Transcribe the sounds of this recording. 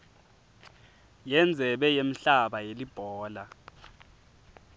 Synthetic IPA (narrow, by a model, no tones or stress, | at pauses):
jɛnd͡zʱɛɓɛjem̩ɬaɓajelib̥ʱɔːla